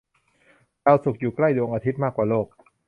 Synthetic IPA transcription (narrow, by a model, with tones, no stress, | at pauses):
ɾaː˧wsu˨˩k̚juː˨˩kla˥˩jdu˧ŋʔaː˧t̪ʰi˦˥t̪̚maː˥˩kːwaː˨˩loː˥˩k̚